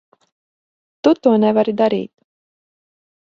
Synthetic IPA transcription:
t̪ut̪uɔnɛvaɾid̪aɾḭːt̪

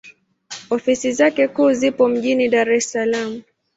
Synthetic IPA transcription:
ɔfisizakɛkuːzipɔm̩ʄiniɗaɾɛsalamu

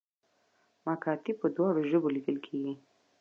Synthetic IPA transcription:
mɑkɑt̪ipəd̪wɑɽoʒəbolid̪əlkʰeɡi

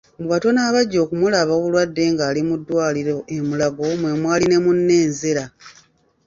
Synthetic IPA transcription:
muβato̞naːβaɟːo̞ːkumulaβaoβulwadːe̞ŋɡaːlimudːwaːliɾo̞ʔemulaɡo̞mwe̞mwaːline̞munːe̞ːnzeɾa

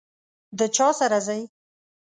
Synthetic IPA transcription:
d̪ət͡ʃɑsaɾazaj

